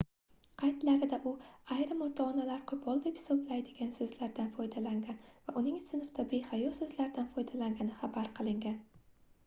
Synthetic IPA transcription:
qʰɑjt̪laɾɪd̪aʔʊajɾɪmɒt̪ʰɒːnalaɾqʰʊbɒlˠd̪epʲsoblajd̪ɪɡʲansɵzlaɾd̪anfɒjd̪alaŋɡʲanvaʔʊnɪŋsɪnfd̪abe̞hajɒsɵzlaɾd̪anfɒjd̪alaŋɡʲanɪχabaɾqʰɨlˠɪŋɡʲan

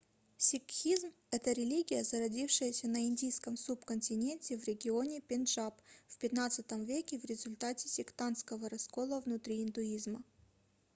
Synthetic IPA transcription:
sʲɪkxʲizm | ɛt̪əɾʲɪlʲiɡʲɪjəzəɾɐdʲifʂɨjəsʲənəindʲijskəmsupkənʲtʲɪnʲenʲtʲɪvɾʲɪɡʲɪo̞nʲɪpʲɪnʐapfpʲɪt̪nat̪sɨt̪əmvʲekʲɪvɾʲɪzʊlʲt̪atʲɪsʲɪkt̪anskəvəɾɐsko̞lˠəvnʊt̪ɾʲiɪnd̪ʊizmə

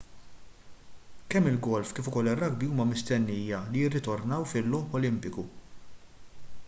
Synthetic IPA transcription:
kɛmːɪlɡɔlfkɪːfʊkɔlːɪrːʔɐɡ̚biuːmɐmɪst̪ɛnːiːjɐlijɪrːɪt̪ɔɾnɐwfɪlːɔːpɔlɪmpɪku

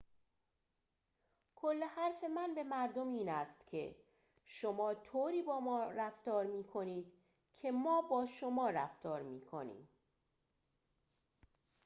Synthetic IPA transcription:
kʰolːehæɾfe̞mænbe̞mæɾd̪o̞miːnæst̪cʰe̞̰ | ʃo̞mɒːt̪ʰoːɾiːbɒːmɒːɾæft̪ɒːɾmiːkʰo̞niːd̪̥ | cʰe̞mɒːbɒːʃomɒːɾæ̰ft̪ɒːɾmiːkʰo̰nḭːm

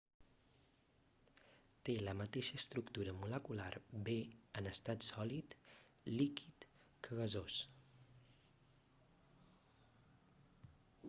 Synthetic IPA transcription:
t̪eləmət̪eʃəːst̪ɾukt̪uɾəmuləkulaɾbeənəst̪at̪sɔlit̪ | likit̪ | kʰəɣəzos

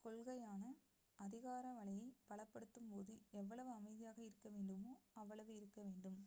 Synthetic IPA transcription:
kɔlɣɐjaːnɐ | ɐðɪɣaːɾɐʋɐɭɐjɐɪpɐɭɐpːɐɽɯt̪ːɯmpoːðɯɛʋːɐɭɐʋɯɐmɐɪðɪjaːɣɐɪɾɯkːɐʋeːɳɖɯmoːɐʋːɐɭɐʋɯɪɾɯkːɐʋeːɳɖɯm

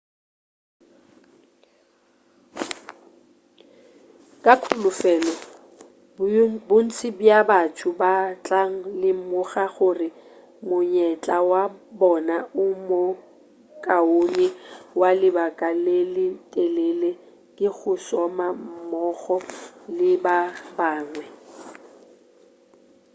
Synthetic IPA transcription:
kʼakʰʊlʊfɛːlɔ | bʊn̩t͡sʰɪbjabatʰʊbat͡ɬʼaŋ̩lɪmʊɣaχʊrɪ | mʊɲɛt͡ɬʼawabɔnaʊmo | kʼaonɛwalɪbakʼalelɪtʼɛlele | kʼɪɣʊsɔmam̩mɔɣɔlɪbabaːŋwɛ

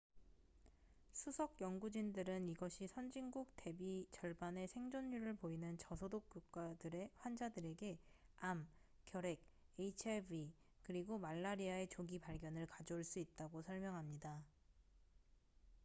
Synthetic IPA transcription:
sʰusʰʌkjʌŋɡud͡ʑindɯɾɯniɡʌɕʰisʰʌnd͡ʑiŋɡuk̚te̞bit͡ɕʌɭbane̞sʰe̞ŋd͡ʑonːuɾɯɭpoinɯnt͡ɕʌsʰodok̚k͈uk̚k͈adɯɾeɸwand͡ʑadɯɾe̞ɡe̞am | k͈ːjʌɾe̞k̚eit͡ɕʰebi | kɯɾiɡomaɭːaɾiae̞t͡ɕoɡipaɭɡjʌnɯɭkad͡ʑoːɭs͈uit̚t͈aɡosʰʌɭmjʌŋɦamɲida

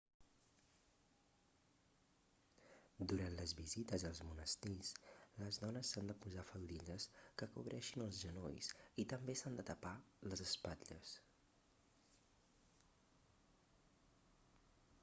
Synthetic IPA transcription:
d̪uɾant̪ləzβizit̪əzəlˠzmunəst̪isləzðɔnəsːand̪əpuzafəlˠd̪iʎəskəkṵβɾʔɛʃinəlˠzʒəno̰jsit̪əmbesand̪ət̪əpaləzəspaʎə̰s

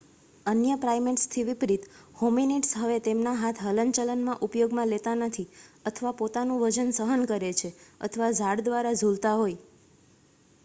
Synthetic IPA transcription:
ənjəpɾajmeʈst̪ʰiʋipɾit̪hominiʈsɦəʋet̪emnaɦat̪ʰɦələnt͡ʃələnmãʔupjoɡmãlet̪anət̪ʰiət̪ʰəʋapot̪anũʋəd͡ʒənsəɦənkəɾet͡ʃʰeə̰t̪ʰəʋad͡ʒʱaɽd̪ʋaɾad͡ʒʱult̪aɦoj

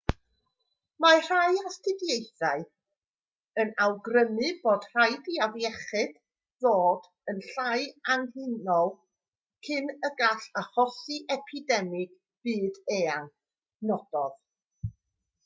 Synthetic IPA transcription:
mar̥ajastʰɪdjejθaɨ | ənawɡrəmɨboːd̥r̥ajdiavjɛχɨd̥ | ðoːd̥ | ənɬajanhɪnɔlˠ | kʰɪnəɡaɬaχɔsɨʔɛpʰɪdɛmɪɡ̥ | b̥ɨːdeːan | nɔd̥ɔð̥

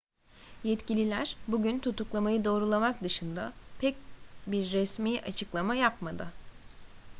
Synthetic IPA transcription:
jɛt̪cilʲilʲæɾ̥buɟynt̪ʰut̪uklˠamajɯd̪o̞ːɾulˠamakd̪ɯʃɯnd̪a̰pʰɛc̚biɾːɛsmiːʔat͡ʃʰɯklˠamajapmad̪ɯ

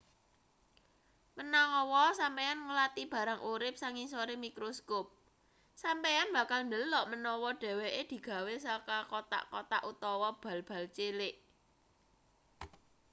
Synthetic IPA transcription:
mənaŋɔwɔsampejanŋəlat̪ib̥ä̤ɾaŋʔuɾɪp̚saŋisoɾemikɾoskop̚ | sampejanb̥ä̤kalnd̪əlːɔʔmənɔwɔɖ̥ɛ̤weʔed̪̥i̤ɡ̥a̤wesakakot̪a̰ʔkɔt̪a̰ʔut̪ɔwɔb̥a̤lb̥ä̤lt͡ʃelɪʔ

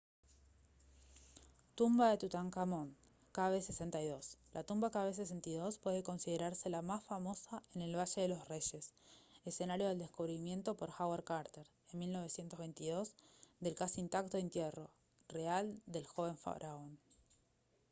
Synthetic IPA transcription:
t̪umbaðet̪ut̪aŋkamo̞n | kaβesesent̪ajðo̞slʔat̪umbakaβes̬es̬ent̪aðo̞spweðe̞ko̞nsiðeɾaɾse̞lamasfamo̞saene̞lβaʃeðe̞lo̞sre̞ʃe̞sese̞naɾjoðeld̪e̞skuβɾimje̞nt̪o̞po̞ɾxaweɾkaɾt̪eɾ | enmilno̞βe̞sje̞nt̪ozβejnt̪iðo̞zd̪e̞lkasiint̪ak̚t̪o̞int̪jero̞ | reald̪e̞lxo̞β̞e̞ɱfa̰ɾʔaon

